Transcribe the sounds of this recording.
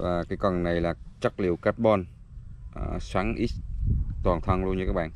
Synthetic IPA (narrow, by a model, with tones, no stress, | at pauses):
vaː˨˩kaː˨˦jkɔ˨˩nna˨˩jlaː˨˩t͡ɕa˦˥k̚lḭ˧˨əwkaː˦˥t̚ɓɔ˧n | ʔswaː˨˦ŋʔi˦˥t̚t̪waː˨˩nt̪ʰə˧nlu˧nɲɨ˧kaː˦˥k̚ɓa̰ː˧˨n